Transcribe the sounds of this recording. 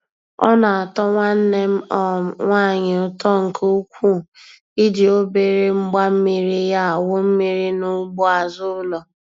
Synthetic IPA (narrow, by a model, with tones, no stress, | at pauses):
ɔ̰˦na˨a˨tɔ˦ŋʷa˦n̩˦ne˦m̩˦ɔ˦˨ŋʷaː˦˨ɲɪ˨ʊ˦tɔ˦ŋ̩˨ko˦kʷu˦˨ | i˦dɪ˨o˦be˨ɾe˦ŋ͡m̩˦ɡ͡ba˦m̩˦mi˦ɾi˦ja˦a˨wʊ˦m̩˦mi˨ɾi˦nʊ˦ɡ͡bɔ˦a˨zʊ˦ʊ˦lɔ˨